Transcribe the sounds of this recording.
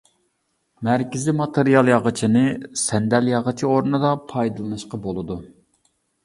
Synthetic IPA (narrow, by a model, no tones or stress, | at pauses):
mæɾkʲɪzɪmɑt̪ʰeɾijɑlˠjɑʁɨt͡ʃʰinɨsɛnd̪ɛljɑʁət͡ʃʰioɾnɨd̪ɑpʰɑjd̪ɨlˠɨnɨʃqɑbolˠɨd̪u